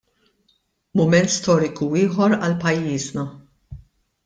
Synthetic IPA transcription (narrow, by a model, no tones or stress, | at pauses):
mʊmɛnt̪st̪ɔːɾɪkuɪːħɔɾɐlpɐjːiːznɐ